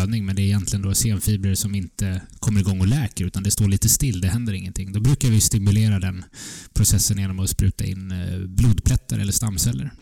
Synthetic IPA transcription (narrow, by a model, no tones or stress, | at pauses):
d̪nɪŋmɛnd̪ɛːɪjɛnt̪lɪɡənd̪ɔseːnfiːbɾəɾʂɔmɪnt̪əkʰɔmːəɾɪɡɔŋːɔlɛːkəɾʉ̟ːt̪and̪ɛst̪oːɭiːt̪əst̪ɪlːd̪ɛɦɛnd̪əɾɪŋːənt̪ʰɪŋːd̪ɔbɾʉ̟ːkaɾvɪst̪ɪmɵleːɾad̪ɛnpʰɾʊsɛsːənjeːnɔmɔspɾʉ̟ːt̪a̰ɪ̰nːbluːd̪pʰlɛt̪ːaɾɛ̰lːəʂst̪amːsɛlːə̰ɾ